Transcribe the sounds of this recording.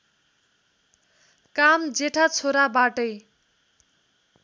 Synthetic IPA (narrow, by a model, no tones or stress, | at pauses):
kamd͡zeʈʰat͡sʰoɾabaʈʌj